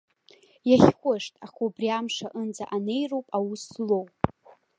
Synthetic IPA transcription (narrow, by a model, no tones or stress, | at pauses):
jaχʲχʷʊʂtʼa̰χobriamʂaʔɨnd͡zaʔane̞jrowpʼawuslow